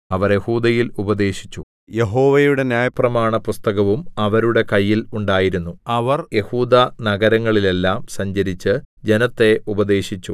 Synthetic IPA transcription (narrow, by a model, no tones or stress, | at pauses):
ɐʋɐɾje̞huːd̪ɐjilubɐd̪e̞ːɕi̥t͡ɕːu | je̞ɦo̞ːʋejuɽe̞njaːjɐprɐmaːɳɐpust̪ɐɣɐʋumɐʋɐɾuɽe̞kɐjːiluɳɖaːjiɾunːuɐʋɐrje̞huːd̪anɐɡɐɾɐŋːɐɭile̞lːaːmsɐɲd͡ʑɐɾit͡ɕːɨ | d͡ʑe̞nɐt̪ːe̞ʔubɐd̪e̞ːɕit͡ɕːu